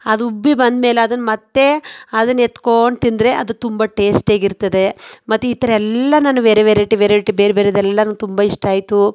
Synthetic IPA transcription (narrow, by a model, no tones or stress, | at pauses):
ɐd̪ubːibɐnd̪meːleɐd̪ɐnːmɐt̪ːe̞ɐd̪ɐnːet̪ːko̞ːɳt̪ind̪ɾe̞ʔɐd̪ut̪umbɐʈe̞ːsʈeːɡiɾt̪ːɐd̪e̞mɐt̪ːeit̪ɐɾɛlːɐnaːnːuʋeːɾeʋeːɾeʈːiʋeːɾeʈːibeːɾebeːɾed̪ɛlːɐnɐːnut̪umbɐiʂʈaːjit̪u